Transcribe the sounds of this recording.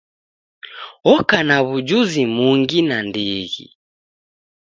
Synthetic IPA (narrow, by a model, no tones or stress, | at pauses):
ɔkanaβud͡ʒuzimuŋɡinandiɣḭ